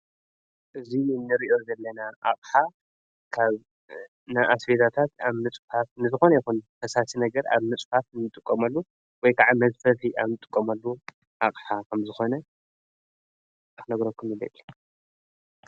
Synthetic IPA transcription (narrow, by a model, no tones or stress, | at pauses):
ʔɨzinɨɾiʔo̞zɐlːɐnaʔaχʼħa | kʰaβ | naʔasbet̪ʰat̪ʰat̪aβmɨt͡sʼfat̪nɨzɨxonɐjixunt̪ʰɐsasinɐɡɐɾa̰βmɨt͡sʼfat̪nːɨt̪ʼɨkʼːɐmɐlːu | wɔjkʰaʕamɐzfɐliʔaβnɨt̪ʼɨ̥kʼːɐmalːu | ʔaχʼħakʰɐmzɨxo̞nɐ | ɨxnɐɡɾɐkʰːumjɨlɐ̰tːi